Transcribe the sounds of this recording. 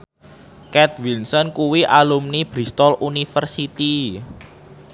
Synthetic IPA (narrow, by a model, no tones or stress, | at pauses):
kɛt̪̚wilsɔnkuwiʔalumnib̥ɾist̪ɔlʔunifərsit̪i